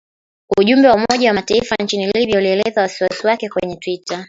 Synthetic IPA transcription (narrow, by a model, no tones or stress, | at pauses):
uʄumbɛwaumɔʄawamataifant͡ʃiniliɓiauliɛlɛzawasiwasiwakɛkwɛɲɛtwita